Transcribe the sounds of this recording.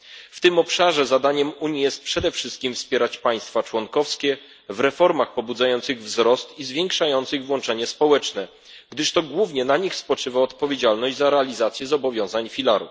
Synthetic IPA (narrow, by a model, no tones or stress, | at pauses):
ft̪ɘmɔpʂaʐɛzad̪aɲɛmuɲijɛst̪̚pʂɛd̪ɛfʂɘst̪̚kʲimfspʲjɛɾat͡ɕpaj̃st̪fat͡ʂwɔnkɔfskʲɛ | vɾɛfɔɾmaxpɔbud̪zajɔnt̪sɘɣvzɾɔst̪izvʲjɛŋkʂajɔnt̪sɘɣvwɔnt͡ʂɛɲɛspɔwɛt͡ʂnɛ | ɡd̪ɘʂt̪ɔɡwuvɲɛnaɲixspɔt͡ʂɘvaɔt̪pɔvʲjed͡ʑalnɔʑd͡ʑʲzaɾɛalʲizat̪sʲjɛzɔbɔvʲjɔ̃w̃zaɲfʲilaɾṵf